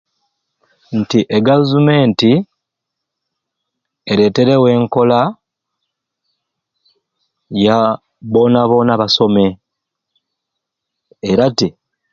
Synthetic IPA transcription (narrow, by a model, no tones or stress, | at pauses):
ntiʔeɡavume̞ːnti | eɾe̞te̞ɾe̞we̞ːŋko̞la | ja | βo̞naβo̞naβaso̞me̞ | eɾati